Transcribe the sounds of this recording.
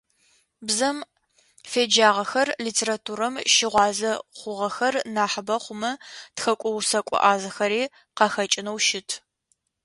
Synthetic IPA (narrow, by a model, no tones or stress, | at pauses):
bzɐm | feːd͡ʒaːʁɐxɐrliːtʰeːɾatʰuːɾɐmʃɪʁʷɑːzɐχʷʊʁɐxɐrnaːħəbɐχʷʊmɐtxɐkʷʼɔwsɐkʷʼɔ̰ʔaːzɐxɐɾiː | qɑxɐt͡ʃʼɪnɐwʃɪtʰ